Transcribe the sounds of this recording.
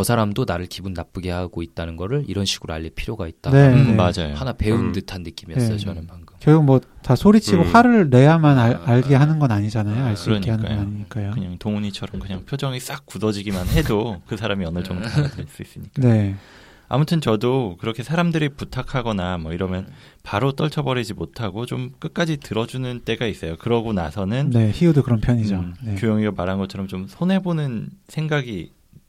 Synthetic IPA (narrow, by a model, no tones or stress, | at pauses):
kʌsʰaɾamdonaɾɯɭkibunːap͈ɯɡe̞haɡ̥oit̚t͈anɯnɡʌɾɯɭiɾʌnɕʰi̥ɡ̥ɯɾoa̰ʎːipʰiɾjoɡait̚t͈anemad͡ʑajohanape̞undɯtʰanːɯk͈imiʌs͈ʌnɯnmaŋɡʰɯmkeɡomwʌtasʰoɾit͡ɕʰiɡohaɾɯɭɾe̞jamanaaɭɡeɦanɯnɡʌnaɲid͡ʑanajoaɭs͈ɾʌɲkieɦanɯaɡʌaɲiɲik͈ajokɯɲaŋtoŋuɲit͡ɕʰʌɾʌmkɯɲaŋpʰjod͡ʑʌŋis͈ak̚k͈udʌd͡ʑiɡimanhe̞dokɯsʰaɾamiʌnɯɭt͡ɕʌŋdoaas͈uis͈ɯɲik͈ae | a̰mutʰɯnt͡ɕʌdokɯɾʌkʰe̞sʰaɾamdɯɾiputʰakʰaɡʌnamwʌiɾʌmjʌn | paɾot͈ʌɭt͡ɕʰʌbʌɾid͡ʑimotʰaɡot͡ɕomk͈ɯk̚k͈ad͡ʑitɯɾʌd͡ʑunɯnt͈e̞ɡais͈ʌjokɯɾʌɡonasʰʌnɯnne̞çiudokɯɾʌnpʰjʌɲid͡ʑoekjojʌŋiɡamaɾɦanɡʌt͡ɕʰʌɾʌmt͡ɕomsʰone̞bonɯnsʰe̞ŋɡaɡi